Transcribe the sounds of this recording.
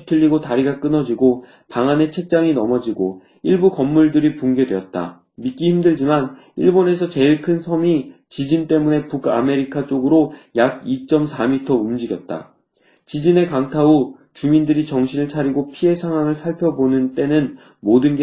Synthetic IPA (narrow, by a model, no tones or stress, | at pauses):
tʰɯʎːiɡotaɾiɡak͈ɯnʌd͡ʑiɡo | paŋane̞t͡ɕʰe̞k̚t͡ɕ͈aŋinʌmʌd͡ʑiɡo | iɭbukʌmːuɭdɯɾipuŋɡe̞dwe̞ʌt̚t͈a̰ | mik͈içimdɯɭd͡ʑiman | iɭbone̞sʰʌt͡ɕe̞iɭkʰɯnsʰʌmi | t͡ɕid͡ʑint͈e̞mune̞puka̰me̞ɾikʰat͡ɕ͈oɡɯɾojaɡ̚it͡ɕ͈ʌmsʰamitʰʌumd͡ʑiɡjʌt̚t͈a̰ | t͡ɕid͡ʑine̞kaŋtʰau | t͡ɕumindɯɾit͡ɕʌŋɕʰinɯɭt͡ɕʰaɾiɡopʰiɦe̞sʰaŋɦwaŋɯɭsʰaɭpʰjʌbonɯnt͈e̞nɯn | modɯnɡe